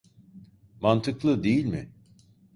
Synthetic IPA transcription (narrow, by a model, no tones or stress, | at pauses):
mant̪ʰɯklˠɯd̪ejilʲmɪ̰